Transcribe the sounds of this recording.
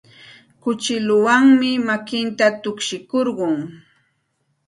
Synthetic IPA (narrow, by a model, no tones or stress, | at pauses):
kʊt͡ʃɪlʊwaŋmɪmakɪnt̪at̪ʊkʃɪkoɾɢʊŋ